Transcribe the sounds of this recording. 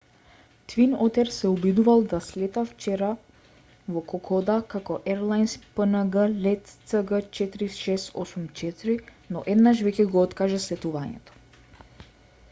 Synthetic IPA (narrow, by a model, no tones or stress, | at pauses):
t̪vinɔt̪ɛɾsɛɔbid̪uvalˠd̪aslɛt̪aft͡ʃɛɾa | vɔkɔkʰɔd̪akakɔʔɛɾlˠajnspənaɡəlɛt̪səɡət͡ʃɛt̪iɾiʃɛsɔsumt͡ʃɛt̪iɾinɔ̰ʔɛd̪naʃvɛcɛɡɔɔt̪kaʒɛslɛt̪uvaɲɛ̰t̪ɔ̥